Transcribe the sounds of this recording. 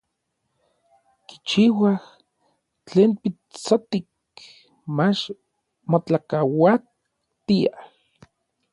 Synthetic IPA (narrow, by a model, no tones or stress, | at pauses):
ki̥t͡ʃiwah | t͡ɬeːnpi | t͡sot̪ik | mat͡ʃ | mot͡ɬakawa | t̪iah